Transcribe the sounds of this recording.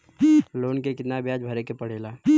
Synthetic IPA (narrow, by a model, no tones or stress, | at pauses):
loːnkekɪt̪nabjaːd͡ʒbʱəɾekepəɽ̤eːla